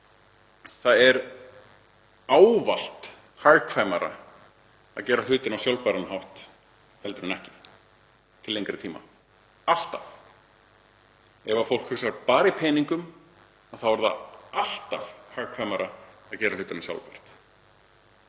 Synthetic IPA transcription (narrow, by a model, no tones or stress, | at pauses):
θaðɛɾ | aːwval̥t̪ | hajɾkʰvajmaɾa̰ | a̰ðcɛːɾal̥ʏːt̪ɪnawsjawlpaɾanɦawht̪ | hɛlt̪ʏɾɪnɛhcɪ̥ | t̪ʰɪlejŋkɾɪt̪ʰiːma̰ | al̥t̪af | ɛvafowl̥kʰhʏksaɾpaːɾaipʰeːjniŋkʏm | aðθawvaɾðaal̥t̪afhajɾkʰvajmaɾaaðcɛːɾal̥ʏːt̪ɪnasja̰wlpar̥t̪